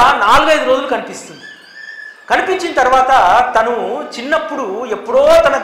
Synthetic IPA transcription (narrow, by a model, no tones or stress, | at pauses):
naːluɡɐjd̪uɾoːd͡ʒulukɐnipist̪und̪i | kɐnipiɲt͡ʃinɐt̪ɐɾuʋaːt̪ɐt̪ɐnut͡ʃinːɐpːuɽue̞pːuɽoːt̪ɐnɐ